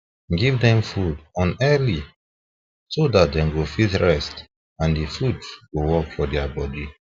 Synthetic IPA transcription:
ɡivdɛ̃mfudɔ̃nɛli | sodat̚dɛ̃mɡofitɹɛst | ãndefudɡowɔkfɔdɛabɔdi

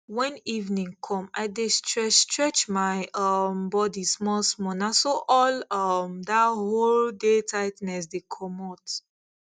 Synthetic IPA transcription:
wɛ̃nivnĩŋkʰɔ̃maɪdestʰɹɛstɹɛt͡ʃmaɪʔʌmbɔdismɔlsmɔnasoʔɔlɔmdaholdetʰaɪtnɛs̬dekʰɔmɔt

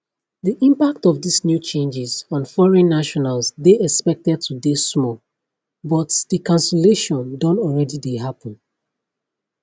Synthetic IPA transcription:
ðiʔĩmpak̚tɔvdisnjut͡ʃẽnd͡ʒɪzɔ̃nfɔɹɛ̃nːaʃɔnalzðeɛkspɛk̚tɛd̚tʰudesmɔ | bɔtdəkʰãnsəleʃɔ̃ndɔ̃nɔlɹɛdidehapə̃n

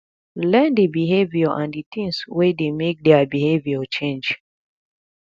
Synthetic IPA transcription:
lɛ̃ndibiɦeviɔʔãnditĩŋswedemek̚dɛabiheviɔt͡ʃẽnd͡ʒ

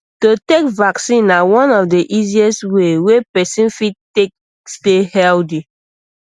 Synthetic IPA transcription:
totekvaksĩnːawɔ̃nɔfdeʔiziɛstwewepɛsĩnfidtek̚ | stehɛldi

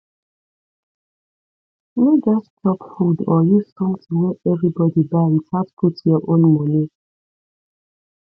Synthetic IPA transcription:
med͡ʒaspʰɔpfudɔjustɔ̃ŋtʰuwɛʔɛvɹibɔdibatatpʰutjɔʔõnmɔ̃ni

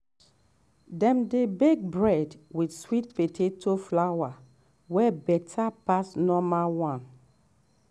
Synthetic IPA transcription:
dɛ̃mdebek̚bɹɛdwidswit̚petʰetʰoflawa | wɛbɛtʰapasnɔmalwãn

